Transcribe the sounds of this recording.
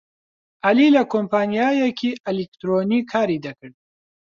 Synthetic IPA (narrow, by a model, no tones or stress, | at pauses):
ʔɐlilɐkʰoːmpaːnijaːjɛkʰiːʔelik̚t̪ɾoːnikʰaːɾiːd̪ɐkɨɾd̪̚